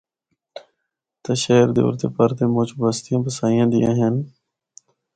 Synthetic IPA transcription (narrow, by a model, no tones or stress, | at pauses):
t̪əʃəːɾd̪ḛːo̰ːɾt̪ḛːpəɾt̪eːmõːt͡ʃbəst̪ɪjãːpəsaːɪjãːd̪ɪjã̰ːɦen